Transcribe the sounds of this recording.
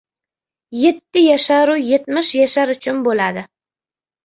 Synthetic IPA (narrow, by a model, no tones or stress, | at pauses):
je̞t̪ːɪjaʃaɾʊje̞t̪̚mɪʃjaʃaɾʊt͡ʃʰʊnbolad̪ɪ